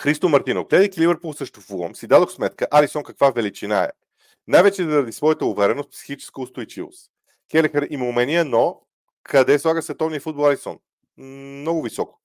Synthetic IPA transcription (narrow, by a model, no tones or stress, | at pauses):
xɾist̪omɐɾt̪inoɡlɛd̪əjkilivəɾpulˠsəʃt̪ofuvə̰msid̪ad̪oxsmɛt̪kəʔalisɔnkɐkvavɛlit͡ʃina̰ɛ̰ | najvɛt͡ʃɛzəɾɐd̪isvɔjət̪əʊvɛɾɛnost̪̚psi̥xit͡ʃɛ̥skəʊst̪ojt͡ʃivo̰s | kʲɛlɛxəɾimumɛnijəno | kʰɐd̪ɛslˠaɡəsvɛt̪ɔvnijəfud̪bolˠalisɔ̰n | mnɔɡʊvisɔko̥